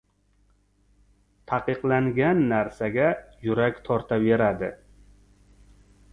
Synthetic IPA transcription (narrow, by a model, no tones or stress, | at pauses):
t̪ʰɑqɨqlaŋɡʲanːaɾsaɡʲajʊɾakʲt̪ʰɒɾt̪ʰave̞ɾad̪ɪ